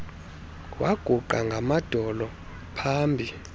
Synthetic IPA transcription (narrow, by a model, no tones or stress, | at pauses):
waɡ̥ʱuǃaŋɡʱamad̥ʱɔlɔ | pʰaːmbʱi